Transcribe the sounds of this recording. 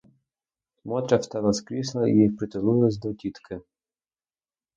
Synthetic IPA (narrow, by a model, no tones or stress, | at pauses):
mɔt̪ɾʲaft̪ɛlˠɐskɾʲislˠɐḭjixpɾɪt̪ɪlˠujlˠesʲd̪ɔtʲit̪kʰɪ